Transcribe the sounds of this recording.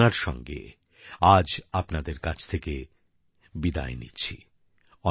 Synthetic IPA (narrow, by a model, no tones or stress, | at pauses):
aɾʃɔ̰ŋɡḛ | ad͡ʑapnad̪eɾkat͡ɕʰt̪ʰeke | bid̪a̰enḭːɕʰḭ | ɔ